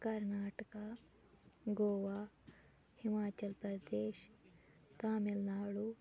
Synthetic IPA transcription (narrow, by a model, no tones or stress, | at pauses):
kɐɾnaːʈɐka | ɡoːʋaː | himaːt͡ʃɐlpɾɐd̪eːʃ | t̪aːmilnaːɭu